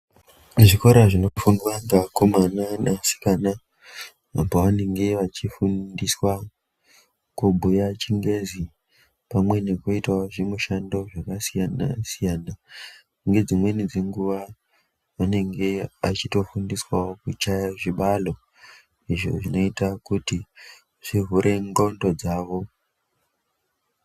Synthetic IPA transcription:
ʐiko̞ɾaʐinofundwandakomananasi̥kana | a̰poʋane̞ŋɡe̞ʋat͡ʃifundiswa | kubʱujat͡ʃiŋɡe̞zi | pamwe̞ne̞kuitaoʐemuʃando̞ʐakasijana̰sijana | ŋɡe̞d͡zimwe̞nid͡zeŋɡuʋa | ʋane̞ŋɡe̞at͡ʃito̞fundiswaokut͡ʃajaʐiɓalo̞ | iʐo̞̰ʐino̞itakuti | ʐ̥iɦuɾʔe̞ŋɡondo̞d͡zaːʋo̞

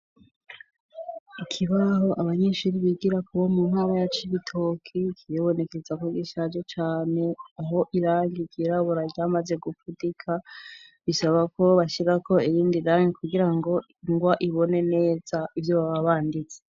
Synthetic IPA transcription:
ikʰiβaɦo̞ʔaβaɲe̞ʃuɾiβiɡiɾakuβomunhaɾajat͡ʃiβitʰo̞kʰikʰiɾiβo̞ne̞kezakoɡiʃad͡ʒot͡ʃaːne̞aɦo̞ʔiɾaɲɡiɡiɾaβoɾaɡɟaːmaze̞ɡufudikʰaβisaβako̞βaʃiɾakʰo̞ijiːndiɾaɲikuɡiɾaŋɡo̞ | ŋɡwaʔiβo̞ne̞ne̞ːzaivjoβaβaβaːndit͡se̥

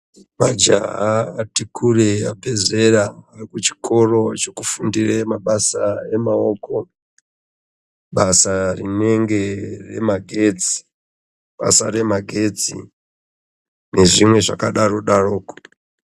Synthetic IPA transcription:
mad͡ʒa̰ɦaatikʰureabʱe̞ze̞raːrikut͡ʃi̥kʰo̞ro̞t͡ʃekufundiremaɓasaemaoːko | ɓasarine̞ŋɡere̞̰maɡʱe̞d͡zi̥ | ɓa̰sare̞maɡʱe̞d͡zḭ | ne̞ʐimwe̞ʐa̰kaɗaro̞ɗaro̞ːko̥

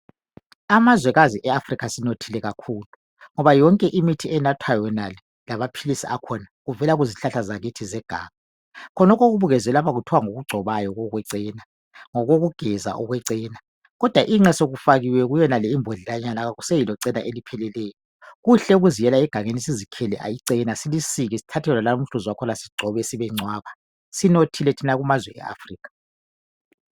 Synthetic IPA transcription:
amazwɛɣaziʔɛafrikʰasinotʰilɛɣakʰuːlu | ŋɔβajɔŋkʼɛʔimitʰiɛnatʰwajɔnalɛ | laβapʰilisiʔa̰kʰɔnaɣuvɛlaɣuziɬaɬazaɣitʰizɛɡ̥ʱa̰ːŋa | kʰɔnɔkʰɔɣuβuɣɛzɛlapaɣutʰɔwaŋoɣuɡ͡ǀʱɔβajɔɣɔɣwɛǀiːna | ŋɔɣoɣuɡ̥ʱɛza̰ʔɔɣwɛǀiːna | ɣɔd̥ʱwaʔiŋ͡ǀɛsoɣufaɣiwɛɣujɛnalɛimbʱɔɮilaɲanaɣaɣusejilɔǀɛnaʔelipʰɛlɛlɛːjɔ | ɣuɬɛuɣuzijɛlaɛɡ̥ʱaŋenisizikʰɛlɛ̰ʔa̰jiǀɛnasilisiɣisi̥tʰatʰɛlɔlam̩ɬuzwakʰɔlasi̥ɡ͡ǀʱɔβɛsiβɛŋ͡ǀwaːβa | sinotʰilɛtʰinaɣumazwɛ̰ʔɛ̰ʔa̰friːkʰḁ

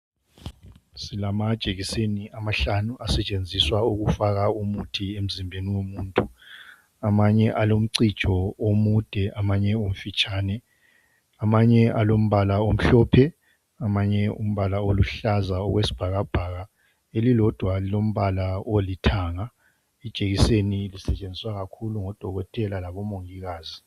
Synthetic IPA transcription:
silamad̥ʒ̥ʱeɣiseniʔamaɬanuʔasɛt͡ʃʼend͡zʱiswauɣufaɣaumutʰiem̩zimbʱeniwomuːntʼu | amaɲɛʔalom̩ǀid̥ʒ̥ʱɔomud̥ʱɛʔamaɲɛom̩fit͡ʃʼaːnɛ | amaɲɛʔalom̩βalaom̩ɬɔːpʰɛ | amaɲɛṵm̩βalaoluɬazaɔɣwesi̥b̥ʱaɣab̥ʱaɣa | elilɔd̥ʱwailom̩βalaolitʰaːŋa | id̥ʒ̥ʱeɣisenilisɛt͡ʃʼend͡zʱiswaɣakʰuluŋɔd̥ʱɔɣɔtʰʼɛlalaβɔmoŋiɣaːzi

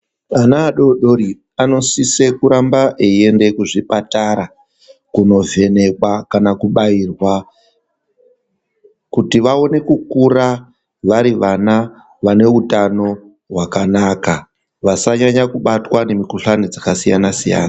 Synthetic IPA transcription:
anaːɗo̞ɗo̞ɾi | ano̞sisekuɾambaʔeie̞ndekuʐipataɾa | kuno̞ve̞ne̞kwakanakuɓairwa | kutiʋao̞ne̞kukura | ʋaɾiʋana | ʋane̞utano̞ | ɦwakanaːka | ʋasaɲaɲakuɓatwane̞mikuɬanid͡zakasijanasija̰ːna

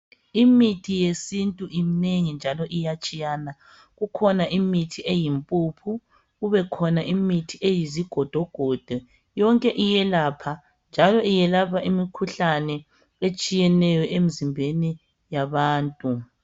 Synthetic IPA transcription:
imitʰijesintʼuʔimneŋind͡ʒʱalɔʔijat͡ʃʼijaːna | ɣukʰɔnaʔimitʰiejimpʼupʰu | ɣuβɛkʰɔnaʔimitʰiʔejiziɡ̥ʱɔd̥ʱɔɡ̥ʱɔd̥ʱɔ | jɔŋkʼɛʔijɛlapʰa | nd͡ʒʱalɔijɛlapʰaʔimikʰuɬanɛ | et͡ʃʼijɛnɛjɔʔemizimbʱeni | jaβaːntʼu

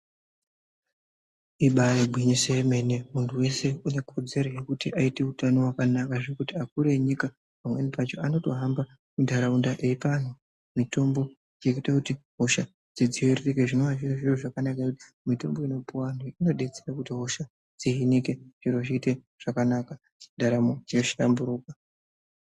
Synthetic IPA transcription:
iɓajeɡʱwiɲiseme̞ne̞muntʰuwe̞se̞une̞kʰo̞d͡ze̞ɾo̞je̞kutiʔaite̞utano̞wakanakaʐekutiakuɾe̞ɲika | pamwe̞nipat͡ʃo̞ano̞to̞ɦamba | mundʱaɾaundaʔeipan̤o | mito̞mbo̞ | jekitakutiɦo̞ʃa | d͡zid͡ziererekeʐino̞ʋaʐiroʐiro̞ʐakanakaeuti̥ | mito̞̰mbo̞ino̞puwanoino̞ɗe̞t͡seɾakutiɦo̞ʃa | d͡ziɦinike̞ʐ̥iɾo̞ʐiːte̞ | ʐ̥akanaka | t͡ʃindaɾamod͡ʒioʃambuɾuːk̚a

